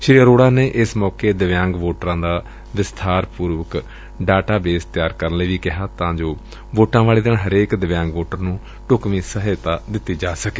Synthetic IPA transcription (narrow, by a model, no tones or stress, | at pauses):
ʃɪɾiəɾoːɽaːneːʔɪsmɔːkeːd̪əʋjãːŋɡʋoːʈɾãːd̪aː | ʋɪst̪ʰaːɾpuːɾʋək | ɖaːʈaːbeːst̪jaːɾkəɾənləːʋiːkɪɦaːt̪ãːd͡ʒoː | ʋoːʈãːʋaːɭeːd̪eɳɦəɾeːkd̪əʋjãːŋɡʋoːʈəɾnũː | ʈʊkʋĩːsəɦeːt̪aːd̪ɪt̪ːiːd͡ʒaːsəkeː